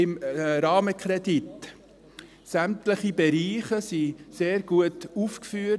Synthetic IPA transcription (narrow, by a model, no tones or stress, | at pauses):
ɪmɾɑːməkʰɾɛdit | sæmtləχibɛɾiːχəsiseːɾɡuətuːfkfyː